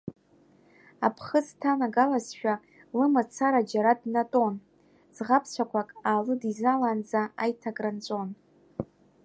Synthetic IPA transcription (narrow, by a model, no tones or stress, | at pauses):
apʰχəztʰanaɡalazʃᶣa | lɨmat͡sʰaɾad͡ʒaɾadnatʼo̞n | z̥ʁapʰsʷʰakʷʰakʼaːlɨdizaland͡zaajtʰakʼrant͡ʃʷʼo̞n